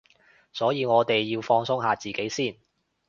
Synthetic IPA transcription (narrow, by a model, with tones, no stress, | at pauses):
sɔː˨˥jiː˨˧ŋɔː˨˧t̪e˨jːiː˧wfɔː˧ŋsʊ˥ŋɦaː˧t͡siː˨˩ke˨˥jsiː˥˩n